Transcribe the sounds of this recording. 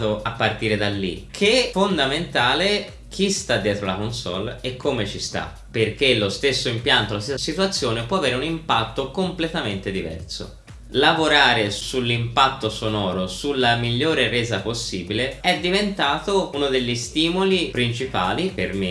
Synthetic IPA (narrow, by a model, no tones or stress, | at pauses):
t̪oapːart̪iːɾed̪alːḭkʰefond̪ament̪aːle | kʰist̪ad̪ːjɛːt̪ɾolakonsɔ̰lekʰːoːmet͡ʃist̪a̰ | pːerk̟elːost̪esːoimpjant̪olast̪esːasit̪wat̪sːjoːnepwɔaveːɾeunimpat̪ːokomplet̪ament̪ed̪ivɛ̰rso̰ | lavoɾaːɾesulːimpat̪ːosonɔːɾosulːamiʎːoːɾerɛːzaposːiːbileɛd̪ːivent̪aːt̪ounod̪eʎːist̪iːmulipɾint͡ʃipa̰ːliperme